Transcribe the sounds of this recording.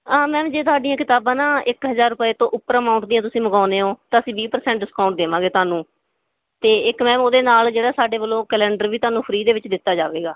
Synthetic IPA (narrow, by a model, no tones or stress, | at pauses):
aːmɛ̃ːd͡ʒeːt̪ʊaːɖijãːkɪt̪aːbãːnaːɪkɦəzaːɾːʊpəeːt̪õːʔʊpːəɾəmaːʊɳʈd̪ijãːt̪ʊsĩːməɡaːneːɦoːt̪aːəsĩːbiːpəɾsɛ̃ːɳʈɖɪskaːʊ̃ɳʈ̚d̪eːʋãːɡeːt̪ʊaːnũː | t̪eːɪkmɛ̃ːoːd̪eːnaːld͡ʒeːɽaːsaːɖeːʋəlːõːkɛlɛ̃ːɳɖəɾʋiːt̪ʊaːnũːpʰəɾiːd̪eːʋɪt͡ʃd̪ɪt̪ːaːd͡ʒa̰ːʋeːɡaː